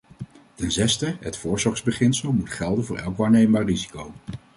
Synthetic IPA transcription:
tɛnzɛstəɦətfʊːɹzɔχzbəχɪnsəlˠmutχɛlˠdənvʊːɹʔɛ̰lˠkʋaːɹnejmbaːɹrizi̥kow

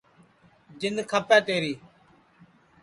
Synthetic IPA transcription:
d͡ʒɪnd̪kʰəpɛ̃ːt̪eːɾiː

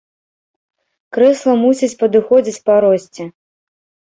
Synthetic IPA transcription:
kɾɛslˠɐmusʲit͡sʲpɐd̪ɨxɔd͡zʲit͡sʲpaɾɔsʲt͡sʲɛ

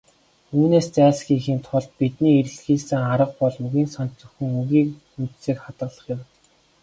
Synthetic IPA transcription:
uːneːst͡sæːɮsɡʲiːxiːmt̪ʰʊɮt̪̚pit̪niːeɾ̆ɮxiːsɘ̆ːŋaɾə̆q̚pɔɮmɵɣiːnsɔnt͡ɕt͡sɵ̆xɘ̆ŋuɣiːk | un̥t̪siːkχat̪ɢə̆ɮə̆χjɪ̆w

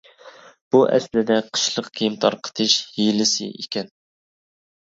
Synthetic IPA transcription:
b̥uʔɛ̰slɪd̪ɛqʰə̥ʃlˠəqkʲʰijimt̪ʰɑɾqʰə̥t̪ʰɨʃhilɪsɨ̰ʔḛkʲɛn

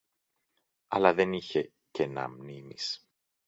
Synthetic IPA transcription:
ɐ̰lɐðe̞niçe̞ | cenɐ̰mnimis

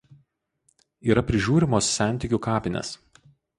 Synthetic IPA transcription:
iːɾɐpʲɾʲɪʒʲuːɾʲɪmoːsːʲæˑnʲt̪ʲɪˑkʲukɑːpʲɪnʲɛ̰s

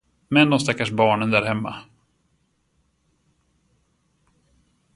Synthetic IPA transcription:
mɛnd̪ɔmst̪akːaʂbɑːɳənd̪æːɾhɛmːa̰

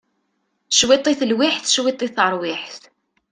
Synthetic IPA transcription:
ʃwit̪ˤiθəlwiħθʃwit̪ˤːiθəɾˤwɪħθ

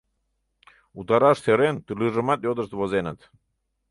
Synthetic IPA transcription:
ut̪ɑɾɑʃseɾent̪ylyʐəmɑt̪jod̪əzt̪βozenət̪

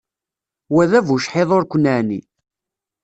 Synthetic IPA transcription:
wæðævuʃħeðˤoɾkʷːənːaʕnḭ

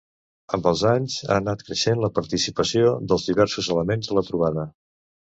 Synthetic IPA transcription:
əmbəlˠzaɲza̰ːnat̪kɾəʃenləpəɾt̪isipəsiod̪əlˠzðiβɛɾsuzələmenzðələt̪ɾuβ̞aðə

